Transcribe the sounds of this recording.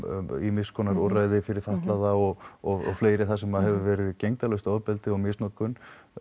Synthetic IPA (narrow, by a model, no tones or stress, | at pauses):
imɪskʰɔnaɾɔraːjðɪfɪɾɪɾ̥faht̪laðaɔɣɔɣɔ̰fleːjɾɪθasɛmaðɦɛvʏvɛːɾɪðcejŋt̪alœst̪ɔɾpɛlt̪ɪɔmɪstnɔkːʏn